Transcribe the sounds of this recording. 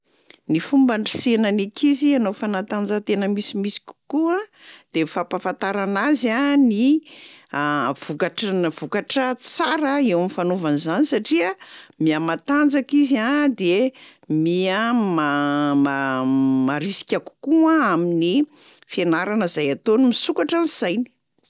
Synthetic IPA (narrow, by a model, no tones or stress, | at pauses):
nifumbaɳɖ͡ʐisenanikʰizianofanat̪and͡zət̪enəmisimisi̥kʲu̥kuad̪̥efapafant̪aɾanazani | av̥ukaʈ͡ʂv̥ukaʈ͡ʂət͡saɾəewamifanovanizanisaʈ͡ʂiəmiamat̪and͡zakizad̪emiamamamaɾisi̥kʲaku̥kuaamini | fanaɾanəzajat̪onimisukaʈ͡ʂaniz̥ajni̥